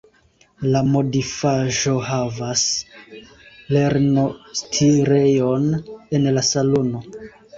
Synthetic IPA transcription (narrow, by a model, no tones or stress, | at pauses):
lamo̞difaʒo̞ɦavas | le̞ɾnostʰiɾe̞jo̞ne̞nlasalo̞no̞